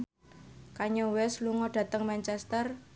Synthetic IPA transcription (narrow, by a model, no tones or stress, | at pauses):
kaɲowɛsluŋɔɖ̥ä̤t̪əŋmɛnt͡ʃɛst̪ər